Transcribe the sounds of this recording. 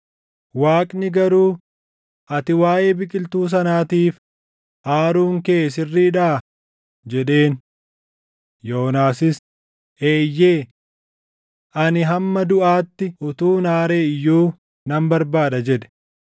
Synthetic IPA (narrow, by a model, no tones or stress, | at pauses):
waːkʼnɪɡɐɾuː | ʔɐt̪ɪwaːʔe̞ːbɪkʼɪlt̪uːs̬ɐnaːt̪iːf | ʔaːɾuːŋke̞ːsɪrːiːᶑaː | d͡ʒɛᶑe̞ːn | jo̞ːnaːsɪs | ʔeːjːe̞ː | ʔɐnɪɦɐmːɐd̪ʊʔaːt̪ːɪʔʊt̪uːnaːɾeːɪjːuː | nɐmbɐɾbaːᶑɐd͡ʒɛᶑɛ̥